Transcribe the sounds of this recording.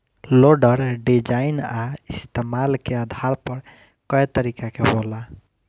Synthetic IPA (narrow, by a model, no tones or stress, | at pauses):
loɖəɾɖid͡ʒainaist̪emalkeəd̪ʱaɾpəɾ | kəet̪əɾikakebola